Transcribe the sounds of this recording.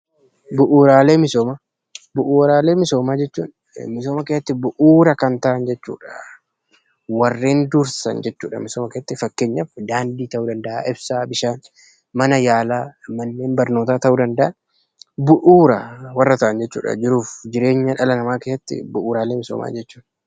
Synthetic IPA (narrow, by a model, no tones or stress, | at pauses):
bʊʔuːɾaːle̞ːmɪsoːma | bʊʔuːɾaːle̞ːmɪso̞ːmaːd͡ʒɛt͡ʃːṵːn | mɪso̞ːmɐkeːsɐt̪ːɪbʊʔuːɾɐkɐnt̪ɐʔɐnd͡ʒɛt͡ʃːṵːᶑɐ̥ | wɐrːeːnd̪ʊɾsɐ̰nd͡ʒɛt͡ʃːuːᶑɐ̰mɪsoːmɐkeːsɐt̪ːɪfɐkːeːɲːɐfd̪aːnd̪iːt̪ɐʔuːd̪ɐnd̪ɐʔa̰ʔɪbsaːbɪʃaːn | mɐnɐjaːlaːmɐnːeːnbɐɾnoːt̪aːt̪ɐʔuːd̪ɐnd̪ɐʔɐn | bʊʔuːɾɐwɐrːɐt̪ɐʔɐnd͡ʒɛt͡ʃːṵːᶑɐ̰d͡ʒɪɾuːfd͡ʒɪɾe̞ːɲːɐᶑɐlɐnɐmaːkeːsɐt̪ːɪ̰bʊʔuːɾaːleːmɪso̰ːma̰ːd͡ʒɛt͡ʃːuːn